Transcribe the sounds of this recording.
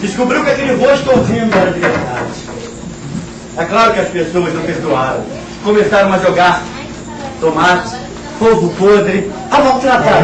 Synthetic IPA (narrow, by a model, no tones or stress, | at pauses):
d̪ɪʃkubɾiwkɐk̪eɲuʁoʃt̪uowt̪iɲɐ̃w̃zaɾɐviesid̪adɪʃ | ɛklˠaɾʊkɐʃpesoɐʒnɐ̃w̃peɾd̪uaɾɐ̰̃ | komesaɾɐ̃w̃ɐʒoɡaɾ | t̪omat̪ɪ̥ | povʊpod̪ɾɪ | avɔlˠt̪ɾat̪a